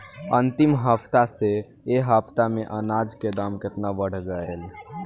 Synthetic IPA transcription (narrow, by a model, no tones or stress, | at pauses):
ənt̪imɦəpʰt̪ase | eɦəpʰt̪ameʔənad͡ʒked̪amket̪nabəɽ̤ɡəel